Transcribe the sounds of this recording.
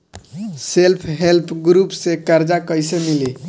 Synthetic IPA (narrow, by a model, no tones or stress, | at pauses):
selpʰɦelpʰɡɾupsekəɾd͡ʒakəjsemili